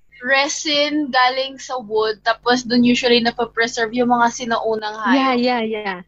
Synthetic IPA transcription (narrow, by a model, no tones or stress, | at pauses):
ɹɛsɪnɡaːlɪŋsɐwʊd̪̚t̪aːpos̬d̪ʊnjuːʃʊɐlinɐpɐpɹɛsɛɹvjʊŋmɐŋasɪnɐʔuːnɐŋhaːjajaja